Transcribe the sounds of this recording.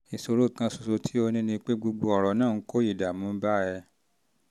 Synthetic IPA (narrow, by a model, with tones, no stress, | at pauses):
i˨so˧ɾo˦˨kã˧so˨so˧tʰi˦o˧nĩ˦nĩ˧k͡pe˦ɡ͡bu˧ɡ͡bo˧ɔ˨ɾɔ˨˦nãː˦˨˦ko˦i˦˨da˨mũ˨˦ba˦˨ɛ˧